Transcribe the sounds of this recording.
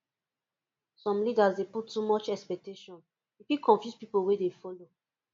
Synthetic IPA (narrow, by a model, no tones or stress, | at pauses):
sɔ̃mlidazdeputːumɔt͡ʃɛkspɛk̚teʃɔ̃n | ifikʰɔ̃ɱfjuspipolwedefɔlo